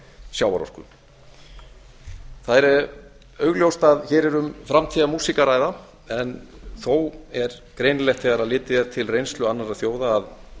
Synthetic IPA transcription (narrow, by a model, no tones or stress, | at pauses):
sjaːwva̰ɾɔ̰r̥kʏ̰ | θaðɛɾɛ | œɥɣljowst̪aðçɛːɾɛɾʏmfɾamt̪ʰiːðamuːsikaɾaːjða | ɛnθowɛɾkɾejnlɛxt̪θɛɣaɾaðlɪːt̪ɪɛɾt̪ʰɪlrejnst̪lʏanːaɾaðθjoːwðaːð